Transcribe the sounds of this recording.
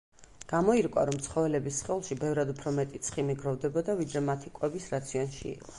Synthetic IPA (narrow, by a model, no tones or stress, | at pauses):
ɡ̥amɔiɾkʼwa̰ɾɔmt̪sʰχɔvɛlɛbisχɛulˠʃibɛvɾad̪upʰɾɔmɛt̪ʼit̪sʰχimiɡɾɔvd̪ɛbɔd̪avid̪ɾɛmat̪ʰikʼwɛbisɾat̪sʰiɔnʃḭːqʼɔ̥